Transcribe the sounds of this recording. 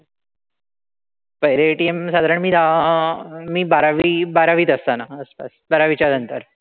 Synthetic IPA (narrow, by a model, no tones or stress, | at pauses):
pəɦɾeʈiemsad̪ʱaɾəɳmiːd̪ʱa | miːbaɾaʋiːbaɾaʋiːt̪əst̪anaəspa̰sbaɾaʋit͡ɕanənt̪əɾ